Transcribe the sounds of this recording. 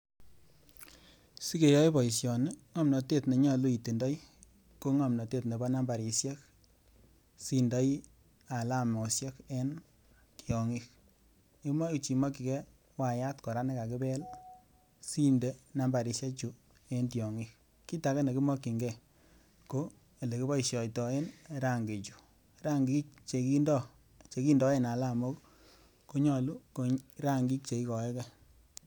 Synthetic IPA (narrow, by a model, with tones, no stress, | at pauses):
si˦ke˨jɔ˦i˦bɔ˨i˨sjɔ˨ni˦ŋɔ˦mnɔ˨te˦˨tne˨ɲɔ˦˨lu˦i˨te˨ndɔ˦i˦ | ko˦ŋɔ˨mnɔ˨te˦tne˨ba˦na˦mba˨ɾi˨sjɛ˦k | si˨ndɔ˦j | a˨la˦˨mɔ˨sjɛ˦ke˦n | ki˨ɔ˨ŋi˦k̚ | i˦ma˦i˨t͡ʃi˨ma˦ki˨kɛ˦ | wa˨ja˦tkɔ˨ɾa˦ne˦ka˨ki˦bɛ˦l | si˦nde˦na˨˦mba˨ɾi˨ʃe˦t͡ʃu˨ | e˦ntjɔ˨ŋi˦k | kːi˦ta˨˦kɛ˦ne˨ki˦mɔ˦kːi˨ŋɡɛ˨ | ko˦˨ | le˨ki˦bɔ˦i˨ʃjɔ˨jtɔ˨e˦nɾa˦˨ŋɡe˨t͡ʃu̥˨ | ɾa˦ŋɡi˦t͡ʃe˨ki˦ndɔ˦ | t͡ʃe˨ki˦ndɔ˨˦e˦na˨la˦˨mo˦k | ko˦ɲɔ˦˨lu˦ko˦ɾa˦ŋɡi˦k̚t͡ʃe˨i˦kɔ˨ɛ˦kɛ˦